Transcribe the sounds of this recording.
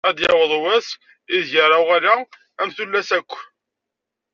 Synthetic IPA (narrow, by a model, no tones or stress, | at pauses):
æd̪jɑwəðˤwæs | iðʝaɾˤawʁaɾa | æmθulːæsækʷː